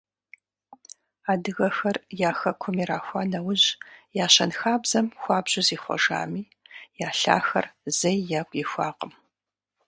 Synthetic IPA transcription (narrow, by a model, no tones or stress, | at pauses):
aːdɨɣɐxɐrjaːxɐkʷʰʊmiːɾaːxʷɑːnɐwʊʑjaːɕɐnxaːbz̥ɐmxʷɑːbʑɪziːχʷɔ̰ʒa̰ːmiː | jaːɬa̰ːxɐ̰rzɐjjaːkʷʼixʷɑːqəm